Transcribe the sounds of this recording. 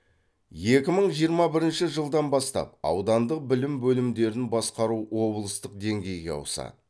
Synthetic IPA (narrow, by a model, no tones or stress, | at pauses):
je̞kʲɪməɴʒijəɾmɑbɪɾɪnʃɪʒəlˠd̪ɑnbɑst̪ɑ̰p̚ɑ̰wd̪ɑnd̪əq̚bɪlɪmbɵlɪmd̪e̞ɾɪnbɑsqɑɾuwo̞blˠəst̪əq̚d̪e̞ŋɡʲe̞jɡʲe̞ɑ̰wəsɑ̰